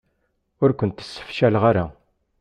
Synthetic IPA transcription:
ʊɾkʷənt̪ə̥sːə̥fʃælʁaɾa

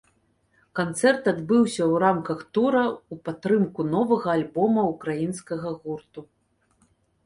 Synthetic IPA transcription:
kant̪sɛrt̪ad̪bɨwsʲɐwɾamkɐxt̪uɾɐupat̪ɾɨmkunɔvɐɣɐːlʲbɔmɐukɾajinskɐɣɐɣurt̪u

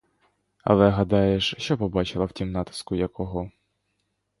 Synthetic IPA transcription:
ɐ̰lˠɛɦɐd̪ɑjeʃʃt͡ʃɔpɔbɑt͡ʃɪlˠɐwtʲimnɑt̪ɪ̥skʊjɐkɔɦɔ

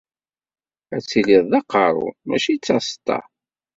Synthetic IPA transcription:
æt͡sːiliðˤðɑqɑɾˤʊ̰mæ̰ʃit͡sːɑst̪ːɑ̰

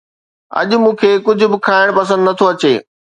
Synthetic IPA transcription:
ɐ̰ʄmũːkʰeːkʊd͡ʑʱʊ̆bɪkʰaːɪɽ̃pɐs̬ə̃nd̪nɐt̪ʰoɐt͡ɕeː

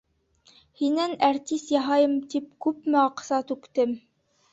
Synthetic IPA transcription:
hinænæɾt̪ʲist̪jɑɦɑjɤmt̪ip̚kʉpmɘɑqsɑt̪ʉkt̪ɘm

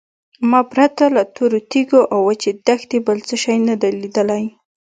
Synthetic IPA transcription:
mɑpɾat̪alat̪oɾot̪iɡoʔawːat͡ʃed̪axt̪ebəlt͡səʃajnad̪alid̪əlaj

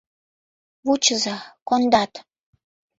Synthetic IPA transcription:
βut͡ɕəzɑkond̪ɑt̪

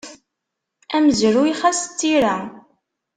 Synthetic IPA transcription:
æməzɾuiχæst͡s̪ːiɾæ

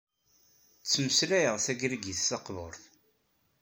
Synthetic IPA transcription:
t͡sːməslæjəʁθæɡɾɡiθsɑqvoɾθ

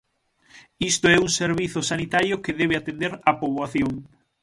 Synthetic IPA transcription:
ist̪oɛuŋseɾβiθʊsanit̪aɾjokeðɛβ̞eat̪end̪eɾapoβwaθjoŋ

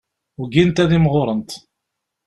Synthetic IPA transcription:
ʊɡint̪æðimʁʊɾˤənt̪

